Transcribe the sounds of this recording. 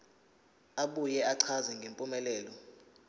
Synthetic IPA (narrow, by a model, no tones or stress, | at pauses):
aɓujɛaǀʰazɛŋɡʱempʼumɛlɛːlɔ